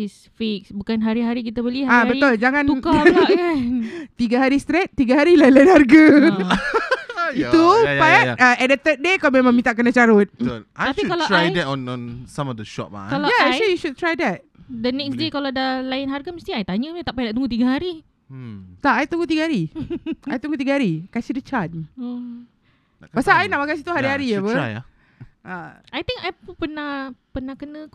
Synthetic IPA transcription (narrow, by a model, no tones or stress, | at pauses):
is | fek̚sbukanɦaɾiɦaɾik̬it̪əbəliaabəiʊld͡ʒaŋãnuka | t̪iɡaɦaɾist̪ɾɛt̪̚t̪ːiɡaɦaɾilajənlajənharɡə | it̪upaaɛdət̪ət̪̚dekawmemãŋmĩnt̪aʔkənat͡ʃaɾʊt̪̚ət̪ʊlʔaj̪aikalaɹajdɛtɔ̃nɔ̃nsãmɔfdəʃɔ̰p̚ma̰ʔkalajaɛklijuʃud̚t̪ɾajdɛt̪̚dənɛksdekaladəlajɪnɦaɾɡaməst̪iajt̪aɲəət̪aʔpajnaʔt̪uŋɡut̪̬iɡaɦaɾi | t̪aajt̪uŋɡut̪̬iɡəhaɾiajit̪uŋɡut̪̬iɡahaɾikasidət͡ʃat̚i | pasaainaʔmakasit̪uɦaɾiaɾiabəaja | aajt̪ɪ̃ŋajpupənahpənahkənə̃k